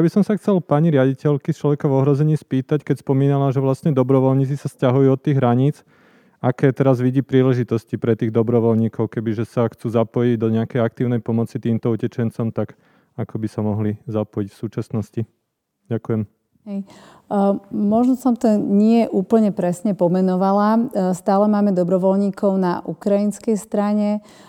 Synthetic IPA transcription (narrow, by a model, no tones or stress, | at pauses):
jabisɔmsaxt͡sɛlpaɲiɾɪaɟicɛʎkist͡ʃlɔʋɛkavɔɦɾɔzɛɲiːspiːt̪ackɛcspɔmiːnalaʒɛʋlasɲɛd̪ɔbɾɔʋɔlɲiːt͡sisascaɦujuːɔt̪ːiːɣɦɾaɲiːt͡s | akɛːt̪ɛɾazʋiɟiːpɾiːlɛʒit̪ɔscipɾɛt̪iːɣd̪ɔbɾɔʋɔlɲiːkɔʊkɛbiʒɛsaxt͡suːzapɔjiɟd̪ɔɲɛakɛjak̚t̪iːʊnɛjpɔmɔt͡sit̪iːmt̪ɔucɛt͡ʃɛnt͡sɔmt̪aɡ | akɔbisamɔɦlizapɔjicfsuːt͡ʃasnɔsci | ɟakujɛm | ɦɛj | mɔʒnɔsɔmt̪ɔɲɪɛʔuːpl̩ɲɛpɾɛsɲɛpɔmɛnɔʋalast̪aːlɛmaːmɛd̪ɔbɾɔʋɔlɲiːkɔʊna̰ʔukɾajinskɛjst̪ɾaɲɛ